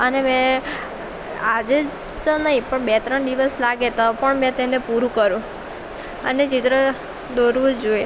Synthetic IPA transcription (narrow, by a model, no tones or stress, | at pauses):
ənemɛ̃ | ad͡ʒed͡ʒ | t̪onəɦĩpəɳbet̪ɾəɳd̪iʋəslaɡet̪apəɳmɛ̃t̪enepuɾũkəɾũ | ənet͡ʃit̪ɾə | d̪oɾʋũd͡ʒoe